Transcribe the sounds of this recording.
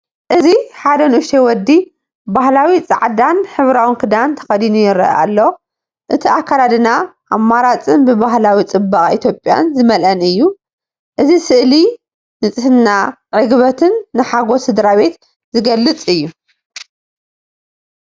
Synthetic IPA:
ʔɨziħad̪ɐnʔuʃewɔd̪ːi | bahlawit͡sʼaʕd̪anħɨβɾawɨnkʰɨd̪ant̪ʰɐ̥xɐd̪inujɪɾɐ̰a̰lːo | ʔɨt̪ʰiakʰːalad̪ɨnaʔamːaɾat͡sʼɨnbɨbaɦlawit͡sʼɨbaχʼʔḭt̪ʰjo̞pʼja̰nzɨmɐlʔɐnɨjːu | ʔɨzisɨʔli | nɨt͡sʼɨhɨnːa | ʕɨɡβɐt̪ʰɨnːɨħaɡo̞sɨd̪ɾaβe̞t̪ | zɨɡɐlːɨt͡sʼɨjːu

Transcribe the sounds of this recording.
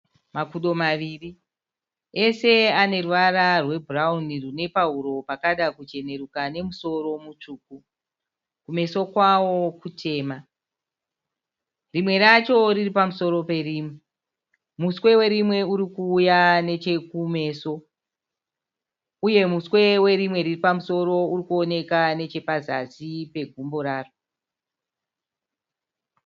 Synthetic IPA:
makuɗo̞maʋiːri | e̞se̞ane̞ruʋaɾarwe̞bʱuraunirune̞pauɾo̞pakaɗakut͡ʃe̞ne̞ɾukane̞muso̞ɾo̞mut͡ʂuːku | kume̞so̞kwawo̞kutʰe̞ːma | rimwe̞ɾat͡ʃo̞riripamuso̞ɾo̞pe̞rimwe | muswe̞we̞ɾimwe̞uɾikuːjane̞t͡ʃe̞kume̞ːso̞ | uje̞muswe̞we̞ɾimwe̞riripamuso̞ɾo̞urikuone̞kane̞t͡ʃe̞paza̰zipe̞ɡʱumboɾaːro

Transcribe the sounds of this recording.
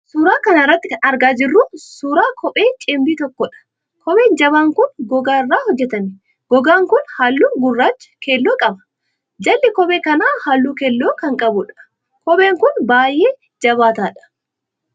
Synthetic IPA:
suːɾaːkɐnɐɪrːɐt̪ːɪɐnɐɾɡaːd͡ʒɪrːuːsuːɾaːkʰɔpʼeːt͡ʃʼembiːt̪ɔkːɔᶑɐ̥ | kɔɓe̞ːnd͡ʒɐβaːŋkʊnɡɔɡaːrːaːhɔd͡ʒːɛt̪ɐnɪ | ɡ̥ɔɡaːŋkʊnhaːlːuːɡʊrːaːt͡ʃːɐ̥kʰeːlːoːkʼɐbɐ̥ | d͡ʒɐlːɪkɔbeːkɐnaːhaːlːuːkeːlːoːkɐŋkʼɐbʊᶑɐ̥ | kɔɓe̞ːŋkʊnbaːjʔeː | d͡ʒɐβaːt̪aːᶑɐ̥

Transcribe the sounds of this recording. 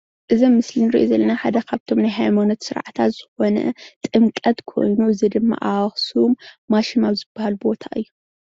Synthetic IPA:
ʔɨzɐmːɨslinɾiʔozɐlːɐnaħad̪ɐkʰaβt̪ʰo̞mnajɦajmonot̪sɨɾʕat̪ʰat̪z̥ɨxo̞nɐ̰t̪ʼɨmkʼɐt̪kʰo̞̰jnuɨzid̪ɨmːa̰ʔawɐxsumːaʃimawzɨbːahalbo̞t̪ʰaʔɨjːu

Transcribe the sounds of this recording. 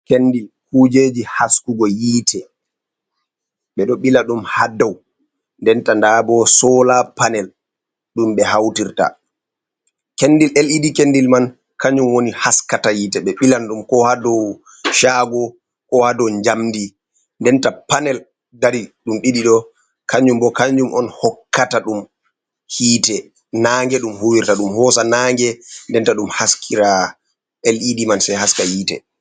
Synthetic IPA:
kendikud͡ʒeːd͡ʒihaskuɡɔjiːtʰɛ | ɓɛɗɔɓilaɗumhadːaw | ndɛntandabɔsɔːlapanɛl | ɗumɓɛhawtiɾta̰ | kendilelidikendilman | kaɲumwonihaskatajiːtɛɓɛɓilanɗumkɔhadɔw | ʃaːɡɔ | kɔhadɔwɲd͡ʒamdi | ndɛntapanɛl | daɾiɗumɗiɗiɗɔ | kʰaɲd͡ʒumbɔkaɲd͡ʒumɔnhɔkːataɗum | hiːtɛ | naːŋɡɛɗumhuwiɾtaɗumhɔːsanaŋɡɛndɛntaɗumhaskʰiɾa | elʔidimansɛjɦaskahiːtɛ

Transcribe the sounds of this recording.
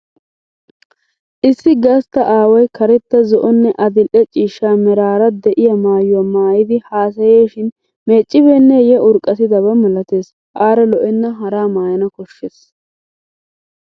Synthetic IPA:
ʔɪsːɪɡɐst̪ːɐʔaːwɐjkɐɾɛt̪ːɐzɔʔɔnːɛʔɐd̪ɪlʔɛt͡ʃʼiːʃːaːmɛɾaːɾɐd̪ɛʔɪjɐmaːjʊwamaːjɪd̪ɪhaːs̬ɐjeːʃɪn | me̞ːt͡ʃʼːɪbeːnːɛjɛʊɾkʼːɐt̪ɪd̪ɐβɐmɛlɐt̪e̞ːs | ʔaːɾɐlɔʔɛnːɐɦɐɾaːmaːjɐnɐkɔʃːeːs

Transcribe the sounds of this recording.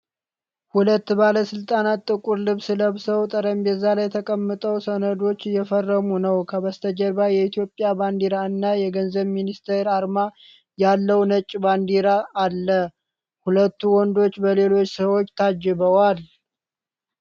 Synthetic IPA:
hulət̪ːbaləsɨlt̪ʼanat̪ʼːɨkʼuɾlɨβsɨləβsəwt̪ʼəɾəmjɛzːalajːɛt̪ʰəkʼəmːɨt̪ʼəwsənəd̪o̞t͡ʃːjɛfərːəmunəwkʰəbəst̪ʰəd͡ʒəɾbajɛit̪ʰjo̞pʼːjaband̪iɾaɨnːajɛɡənzəβminist̪ʰeɾaɾma | jalːəwnət͡ʃʼːband̪iɾaʔːlːə | hulət̪ːuwɔnd̪o̞t͡ʃːbəle̞lo̞t͡ʃːsəwo̞t͡ʃːt̪ʰad͡ʒːɪβəwal

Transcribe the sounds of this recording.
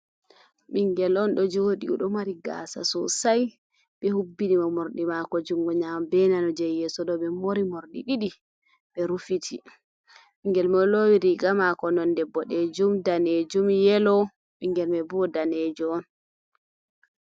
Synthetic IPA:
ɓiŋɡɛlɔnɗɔd͡ʒoɗiṵɗɔmaɾiɡa̰sa̰sɔ̰saj | ɓɛhubːinimamoɾɗimakɔd͡ʒuŋɡɔɲambɛnanɔd͡ʒɛjɛsɔɗɔɓɛmoɾimoɾɗiɗiɗi | ɓɛɾufitʰi | ɓiŋɡɛlmɛlowiɾiɡamakɔnɔndɛbːɔɗɛd͡ʒumdaned͡ʒumjɛlɔ | miŋɡɛlmɛbuɔdaned͡ʒuɔn

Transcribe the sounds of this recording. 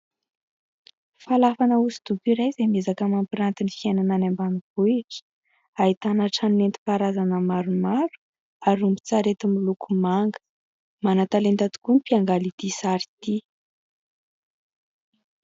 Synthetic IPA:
falafanəusi̥d̪ukʲiɾajzemezakəmampiɾant̪inifianananambaniv̥uiʈ͡ʂə̥ | ait̪anaʈ͡ʂaninent̪i̥paɾazanəmaɾumaɾu̥ | aɾumbi̥t͡saɾet̪imilukumaŋɡə̥ | manat̪alend̪at̪u̥kunipiaŋɡalit̪isaɾi̥t̪i

